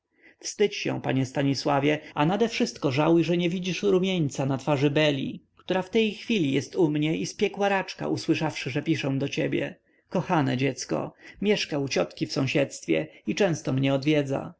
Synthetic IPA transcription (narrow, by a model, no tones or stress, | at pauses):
fst̪ɘt͡ɕɕɛ̰̃pa̰ɲɛst̪aɲiswavʲjɛanad̪ɛfʂɘst̪kɔʐawjʐɛɲɛvʲid͡ʑiʂɾumʲjeɲt̪sanat̪faʐɘbɛlʲḭkt̪uɾaft̪ɛjxfʲilʲijɛst̪umɲɛispʲjɛkwaɾat͡ʂka̰ʔuswɘʂafʂɘʐɛpʲiʂɛ̃d̪ɔt͡ɕɛbʲjɛ̰ | kɔxanɛ̰d͡ʑɛt̪skɔ̰mʲjɛʂkaut͡ɕɔt̪kʲifsɔ̃w̃ɕɛt̪st̪fʲjɛ̰it͡ʂɛ̃w̃st̪ɔmɲɛɔd̪vʲjɛd̪za̰